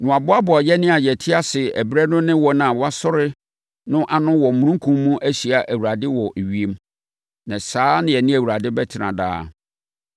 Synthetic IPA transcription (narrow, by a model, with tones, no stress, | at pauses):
nʊ̃˨a˨bʊ˦a˦bʊ˨a˨jɛ˦nɪ̃˦a˨jɛ˨tʰɪ˦a˦sɪ˨æ˨bɾɛ˦nʊ̃˦nɪ̃˦wɔ˨nã˨wa˦sɔ˦ɾɪ˦ | nʊ̃˦ʔa˨nʊ̃˦wɔ˨mũ˨ɾũ˦ŋ˦kʰũ˦mːũ˦ʔæ˦ɕi˨a˨ʔæ˨wu˨ɾa˨dɪ˦wɔ˨ʔɥi˨˦e˨m | nã˨saː˦nɪ̃˦jɛ˨nɪ̃˦æ˨wu˨ɾa˨dɪ˦bɛ˦tʰɪ˨nã̰˨da̰ː˦